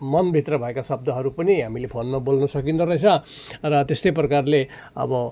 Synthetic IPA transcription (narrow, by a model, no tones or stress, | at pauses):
mʌnbʱit̪rʌbʱʌekasʌb̚d̪ʌɦʌɾupʌniɦamilepʰonmʌbolnʌsʌkint̪ʌɾʌt͡sʰʌ | rʌt̪est̪ʌjprʌkarle | ʌ̰bʌ